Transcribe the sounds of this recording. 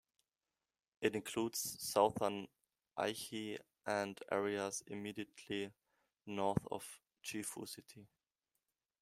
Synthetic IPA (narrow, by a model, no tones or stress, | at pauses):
ʔɨɾɪ̃nkʰl̥uːdz̥saʊθə˞n | ʔa̰ɪçi | ʔə̃ndɛ̰ɹiəzɪ̰midiətʰli | nɔɹθɔ̰v̥ | t͡ʃifṵsɪtʰi